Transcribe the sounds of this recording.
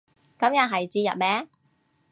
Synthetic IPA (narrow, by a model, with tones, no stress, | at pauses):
kɐ˨˥mjɐ˨t̚ɦɐ˨˩jt͡siː˧jɐ̰˨t̚mɛː˨˥